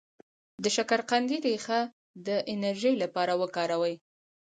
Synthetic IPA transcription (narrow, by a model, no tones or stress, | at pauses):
d̪əʃakaɾqand̪iɾexa | d̪əʔɪnaɾʒəjlapɑɾawəkɑɾawəj